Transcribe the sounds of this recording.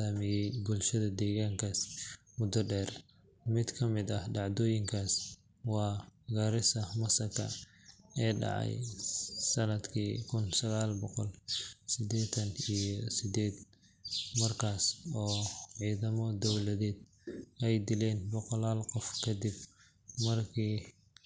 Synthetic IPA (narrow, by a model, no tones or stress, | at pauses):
aːmɪjɛjbʊlʃɐðɐd̪ɛːɣaːŋkʰaːs | mʊd̪ɔɖɛːr | mɪd̪kʰɐmɪd̪ɐhɖɑʕd̪ɔːjɪŋkʰaːs | wɑːɡɐɾɪsɐmɐsɐkʰɐ̰ | ɛːɖɑ̰ʕɑ̰jsɐnɐd̪kʰiːkʰʊnsɐɣaːlbɔqɔlsɪd̪ɛːt̪ʰɐnijɔsɪd̪ɛːd̪ | mɐrkʰaːsɔːʕiːðɐmɔd̪ɔwlɐðɛːd̪̚ | ɛjd̪ɪlɛːnbɔqɔlaːlqɔfkʰɐd̪ɪb | mɐrkʰiː